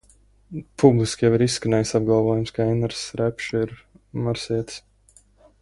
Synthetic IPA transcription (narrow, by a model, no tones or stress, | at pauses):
pʰublˠiskʲjɛviɾisːkanɛjsab̚ɡˠɑlˠvuɔjumskaɛnaɾsɾɛpʃiɾ | maɾsiɛt̪s